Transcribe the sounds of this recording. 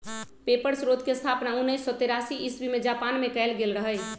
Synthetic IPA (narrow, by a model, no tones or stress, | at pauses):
pepəɾsɾod̪ʱkest̪ʰapnaunːəjsːɔt̪eɾasiʔisbimed͡ʒapanmekɛɪlɡelɾəɦəj